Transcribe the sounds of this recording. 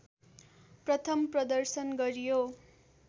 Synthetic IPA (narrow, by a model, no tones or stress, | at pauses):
prʌt̪ʰʌmprʌd̪ʌrsʌnɡʌɾijo